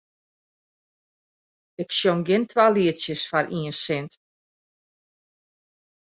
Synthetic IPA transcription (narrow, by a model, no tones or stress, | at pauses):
ɪksjomɡɪntʰʋaːliətsjəsfaɾʔiəsɪnt